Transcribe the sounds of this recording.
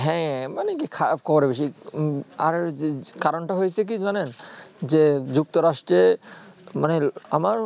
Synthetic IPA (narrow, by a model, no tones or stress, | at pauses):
ɦɛ̃manekikʰaɾapkɔboɾebeʃ̬i | a̰ɾkaɾonʈaɦojet͡ɕʰek̬id͡ʑanend͡ʑed͡ʑuk̚t̪oɾaʃʈɾe | maneamaɾ